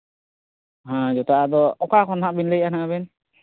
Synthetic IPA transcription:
ɦãd͡ʒɔt̪aad̪ɔɔkakʰɔnɦaʔbinlejanaabɛn

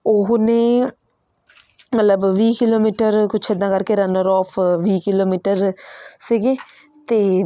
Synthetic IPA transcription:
oɦne | mət̪ləbʋiːkɪloːmiːʈəɾkʊt͡ʃʰəd̪ːãkɐɾkeɾɐnəɾɔːpʰʋiːkɪloːmiːʈəɾsiːɡe | t̪e

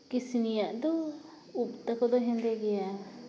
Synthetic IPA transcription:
kisinijaʔd̪ɔ | up̚t̪akɔd̪ɔɦɛ̃nd̪ɛɡɛja

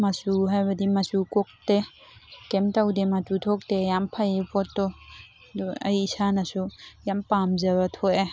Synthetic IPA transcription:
mɐsuɦajbɐdimɐsukɔk̚te | kemtawdemɐtutʰɔk̚tejampʰajepʰɔtːɔ | dɔɐ̰jːsanɐsujampamzɐbatʰoʔe

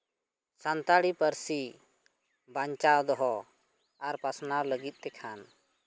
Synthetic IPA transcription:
sant̪aɽipəɾsi | baɲt͡ʃawd̪ɔɦɔ | aɾpasnawləɡit̪̚ˀt̪ɛkʰan

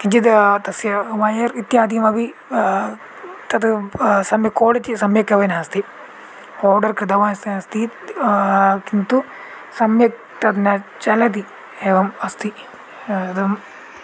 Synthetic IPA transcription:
kit͡ʃit̪t̪ɐsjɐʋajɐɾit̪jaːd̪ijɐmɐbi | t̪ɐt̪sɐmjɐkoːɽɐt̪isɐmjɐkɐʋɐnaɐst̪i | oːɖɐɾkɾid̪ɐʋaːjɐst̪iɐst̪i | kint̪u | sɐmjɐ | t̪ɐt̪nɐt͡ʃɐlɐt̪̬i | eːʋɐmɐst̪i | ɐt̪ɐm

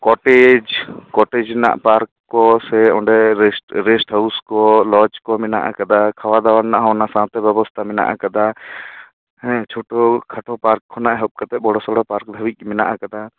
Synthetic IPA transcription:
kɔʈed͡ʒkɔʈɛd͡ʒna̰ʔpaɾk | kːɔsɛɔ̃ɳɖɛɾsɾɛsʈhauskɔlɔt͡ʃkɔmɛna̰ʔa̰kad̪akʰawad̪awaɽnaʔɦɔwnasãt̪ɛbjɛbɔst̪ʰamɛna̰ʔa̰kad̪a | ɛt͡ʃʰoʈɔkʰaʈʰɔpaɾkʰːɔnaʔɦɔp̚kat̪ɛbɔɽɔsɔɽɔpaɾk̚d̪ʱawic̪̚mɛnaʔakad̪a

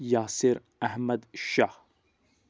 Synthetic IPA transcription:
jaːsiɾ | æhmɐd̪ʃaːh

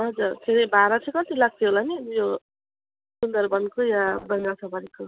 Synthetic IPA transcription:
ɦʌd͡zurt̪ʰeɾebaɾat͡sʰʌ̃kʌt̪ilaɡ̚t̪ʰiɦolanijo | sund̪ʌɾbʌnkojabʌnasʰabʌɾiko

